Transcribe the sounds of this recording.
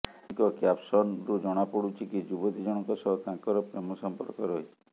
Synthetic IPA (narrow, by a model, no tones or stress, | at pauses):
ŋkɔkjapsɔnɾud͡ʒɔɽ̃apɔɽut͡ʃʰikid͡ʒubɔd̪id͡ʒɔɽ̃ɔŋkɔsɔɦɔkãkɔɾɔpɾemɔsɔmpɔ̰ɾkɔɾɔɦit͡ʃʰi̥